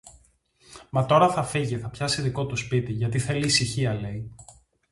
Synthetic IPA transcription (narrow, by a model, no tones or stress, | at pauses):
mɐt̪o̞ɾɐθɐfiʝiθɐpçɐsiðiko̞t̪uspit̪iʝɐt̪iθe̞liːsiçiɐle̞i